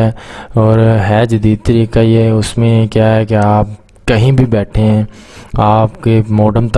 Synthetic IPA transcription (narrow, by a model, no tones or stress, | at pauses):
ɛːɔːɾɦɛːd͡ʒɐd̪iːd̪̚t̪əɾiːkajeʊsmẽkjaːɦɛkeaːp̚ | kɐɦĩbʱibɛːʈʰeɦɛ̃ː | aːpkemɔːɖəmt̪